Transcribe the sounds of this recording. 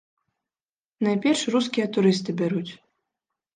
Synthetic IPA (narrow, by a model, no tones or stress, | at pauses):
najpʲɛrʂrus̬kʲijɐt̪uɾɨst̪ɨbʲaɾut͡sʲ